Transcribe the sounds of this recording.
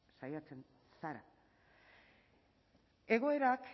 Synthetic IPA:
sajat͡se̞n | saɾa̰ | e̞ɣ̞o̞e̞ɾak

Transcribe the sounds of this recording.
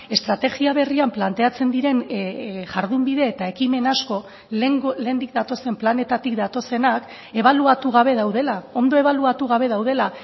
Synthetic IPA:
e̞st̪ɾat̪e̞ɣiaβ̞e̞riamplant̪e̞at͡se̞nd̪iɾe̞nʝaɾðumbiðe̞ːt̪ae̞kime̞nasko̞ | le̞ːnd̪ikd̪at̪o̞se̞mplane̞t̪at̪ikd̪at̪o̞se̞nak | e̞β̞aluat̪uɣ̞aβe̞ðawðe̞lao̞nd̪o̞e̞βaluat̪uɣ̞aβ̞e̞ðawð̞e̞la

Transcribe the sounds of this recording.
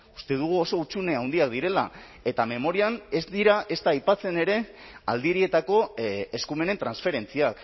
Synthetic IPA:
u̥st̪e̞ðuɣ̞uo̞so̞ut͡sune̞awnd̪iak̚d̪iɾe̞la̰ | e̞t̪ame̞mo̞ɾiane̞zd̪iɾaʔe̞st̪aːjpat͡se̞ne̞ɾe̞ | a̰ld̪iɾie̞t̪ako̞eskume̞ne̞nt̪ɾansfe̞ɾe̞nt͡siak

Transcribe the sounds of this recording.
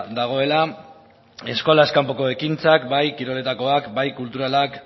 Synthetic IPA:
d̪aɣ̞o̞e̞la | e̞sko̞laeskampoko̞ekint͡sakbajkiɾo̞le̞t̪ako̞akbajkult̪uɾalak

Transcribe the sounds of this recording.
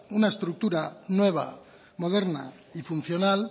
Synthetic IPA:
unaest̪ɾuk̚t̪uɾanwe̞β̞a̰ | mo̞ð̞eɾna̰ | ifun̟θjo̞nal

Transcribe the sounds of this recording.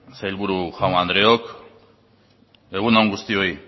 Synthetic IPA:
sajlβuɾuʝawnand̪ɾe̞ok | e̞ɣ̞unawŋɡust̪io̞i

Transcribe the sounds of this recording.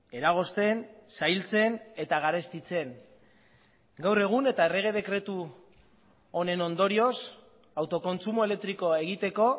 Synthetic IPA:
e̞ɾaɣ̞o̞st̪e̞nsajlt͡se̞ne̞t̪aɣ̞aɾe̞st̪it͡se̞ŋ | ɡawre̞ɣ̞une̞t̪ae̞re̞ɣ̞e̞ð̞e̞kɾe̞t̪u | one̞no̞nd̪o̞ɾio̞s | awt̪o̞ko̞nt͡sumoele̞k̚t̪ɾiko̞e̞ɣ̞it̪e̞ko̞

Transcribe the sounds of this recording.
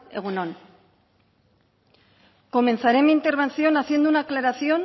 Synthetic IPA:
e̞̰ɣ̞uno̞n | ko̞me̞nθaɾe̞mint̪e̞ɾβ̞e̞nθio̞naθje̞nd̪unaklaɾaθio̞n

